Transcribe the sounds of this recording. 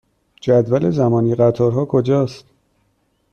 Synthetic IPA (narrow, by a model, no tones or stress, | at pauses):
d͡ʒæd̪vælezæmɒːniːɢæt̪ʰɒːɾɦɒːkʰod͡ʒɒːst̪